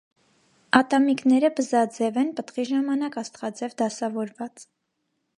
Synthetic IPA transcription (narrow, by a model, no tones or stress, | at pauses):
ɑt̪ɑmiknɛɾəbəzɑd͡zɛvɛnpət̪χiʒɑmɑnɑkɑst̪χɑd͡zɛvd̪ɑsɑvɔɾvɑt͡s